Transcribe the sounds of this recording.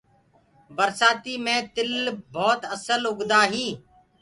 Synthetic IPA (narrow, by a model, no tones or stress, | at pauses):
bəɾsaːt̪iːmẽːt̪ɪlbʱɔːt̪əsəlʊɡd̪aːɦiː